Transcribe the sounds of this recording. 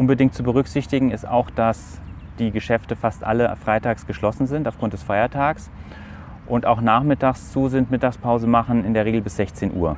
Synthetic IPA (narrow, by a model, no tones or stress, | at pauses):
ʔʊnbədɪŋkt̚t͡subəʁ̞ʏkz̥ɪçtɪɡŋ̩ɪsta̰ʊxd̥as | d̥iːɡəʃɛftəfastʔa̰ləfʁ̥aɪtaːksɡ̥əʃlɔsn̩zɪntaʊfɡ̥ʁʊnt̚d̥ɛsfaɪɐtʰaːɡs | ʔʊntaʊxnaːχmɪtaːkst͡suːzɪntmɪtaːkspʰaʊzəmaχn̩ɪndeːɐʁeːɡl̩bɪsz̥ɛçt͡seːnʔuːɐ